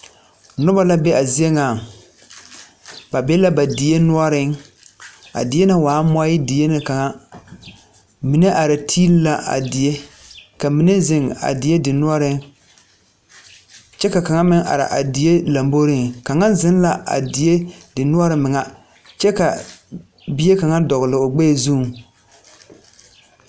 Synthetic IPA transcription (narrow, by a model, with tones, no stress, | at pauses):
nʊ˦ba˦la˦bɛ˦a˨zi˦e˦ŋaː˨ | ba˨bɛ˦la˦ba˨dɪ˨e˦nʊ˦ɔ˦ɾɪ˦ŋ | a̰˨dɪ˨˦e˦na˦waː˨˦mɔ˦jɪ˦dɪ˨e˦nɪ˨ka˨ŋa˦ | mi˨ne˦ʔa˨ɾɪ˨tʰiː˦lla˦ʔa̰˨dɪ˨je˦ka˨mi˨ne˦zɪ˦˨ŋa̰˨dɪ˨˦e˦dɪ˨nʊ˦ɔ˦ɾɪ˦ŋ | t͡ʃɛ˦ka˨ka˨ŋa˦mɪ˦ŋʔa̰˨ɾɪ̰˨ʔa̰˨dɪ˨e˦la˨mbo˦ɾɪ˦˨ŋka˨ŋa˦n˦zɪ˦n˦la˨ʔa̰˨dɪ˨e˦dɪ˨nʊ˦ɔ˦ɾɪ˨˦mɪ˨ŋa˦ | t͡ʃɛ˦ka˨ | bɪ˦je˦ka˨ŋa˦dɔ˨ɣɪ˨lɪ˨o˨ɡ͡be˦˨zuː˦˨ŋ